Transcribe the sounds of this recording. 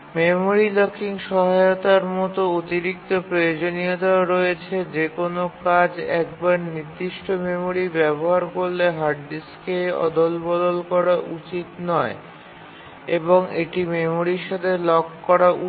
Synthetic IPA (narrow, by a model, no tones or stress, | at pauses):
memoɾilɔkiŋʃɔɦaeot̪aɾmɔt̪oot̪iɾik̚t̪opɾojod͡ʑonijot̪aɾɔet͡ɕʰed͡ʑekonokad͡ʑɛkbaɾniɾd̪iʃʈomemoɾibɛboɦaɾkoɾːeɦaɾɖiskeɔ̰d̪olbɔd̪olkɔɾaʔut͡ɕit̪nɔe | eboŋeʈimemoɾiɾʃat̪ʰelɔkːɔɾaʔu